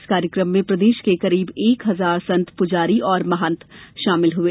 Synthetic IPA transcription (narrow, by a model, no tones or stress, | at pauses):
skaːɾjəkɾəmːẽpɾɐd̪eːʃkekɐɾiːbeːkɦɐzaːɾsɐ̃nt̪ʰpʊd͡ʒaːɾiɔːɾmɐɦə̃nt̪ʰʃaːmɪlɦʊeː